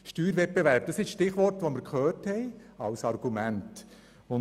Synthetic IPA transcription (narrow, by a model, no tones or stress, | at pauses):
ʃtyːɾʋɛt̚b̥eʋæɾp̚d̥ɑsɪʃʃtɪχʋɔɾtʋoməɾkʰχøːɾthɛɪɑlsɑɾɡumænt | ʊn